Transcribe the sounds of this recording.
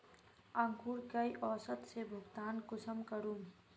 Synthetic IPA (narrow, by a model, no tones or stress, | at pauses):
ə̃ŋɡuɾkəjʔɔsət̪sebʱuɡt̪aːnkusəmkəɾum